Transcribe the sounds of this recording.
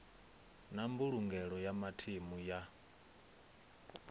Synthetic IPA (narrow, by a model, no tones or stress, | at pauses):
nambuɺuŋɡɛɺɔjamatʰimuja